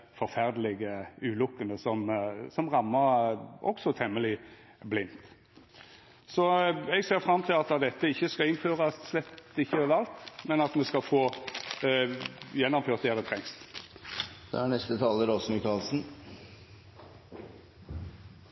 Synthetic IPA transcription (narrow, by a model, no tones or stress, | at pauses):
fɔʁfæʁd̪lɪɡəʉːlʊkːənəsɔmsɔmʁɑmːəɾʔɔ̰ksɔt̪ʰɛmːəlɪ | blɪnt̪ | sɔɛɡseːʁfʁɑmːt̪ʰɪlɑt̪ɑd̪ɛt̪ːəɪçːəskɑɪnføːʁɑsslɛt̪ɪçːəʋɑlt̪mɛnɑt̪mɛskɑfoː | jɛnːɔmføːʁt̪̚d̪ɛːd̪ɛt̪ʰʁɛŋs | d̪̥ɛ̰æɳɛst̪ət̪ʰɑːləɾɔsmɪkɑːlsn̩